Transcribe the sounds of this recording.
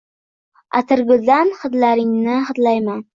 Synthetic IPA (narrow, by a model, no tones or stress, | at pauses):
a̰t̪ʰɪɾɡʲɪd̪anχɨd̪laɾɪŋnɪχɨd̪lajman